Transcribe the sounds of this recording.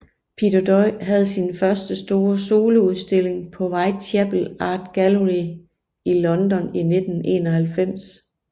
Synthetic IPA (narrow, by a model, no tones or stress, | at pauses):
pʰid̥ɐd̥ɒɪɦæð̞̩ˠsinfɶɐsd̥əsd̥o̝ːɐso̝ːləuðˠsd̥e̝l̰e̝ŋpʰɒ̽ʋɑ̈ɪt͡sʰeb̥l̩ɑ̈ːd̥ɡ̥æləʁi | ilɒ̽nd̥ɒ̽nine̝d̥n̩ʔe̝̰ːnɒhælfem̰s